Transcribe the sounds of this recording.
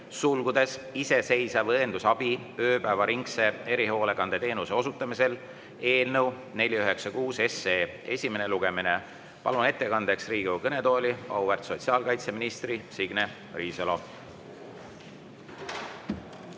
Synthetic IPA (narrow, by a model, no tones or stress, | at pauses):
sulɡud̪̥e̞sise̞se̞jsɑvɤend̪̥usɑb̥iø̞ːpæːvɑɾiŋkse̞e̞ɾiho̞ːle̞kɑnd̪̥et̪e̞ːnuse̞o̞sut̪ːˑɑmise̞l | e̞ːlnəw | ne̞lʲiyɦe̞ksɑkuːse̞seːe̞̰sʲime̞neluɡ̥e̞mine̞ | pɑ̰lune̞t̪ːe̞kɑnd̪̥e̞ksriːɡ̥ukɤne̞t̪o̞ːlʲiɑ̰wvert̪so̞t̪ʲsiɑːlkɑjt̪se̞minist̪risiɡ̥ne̞ | riːselo̞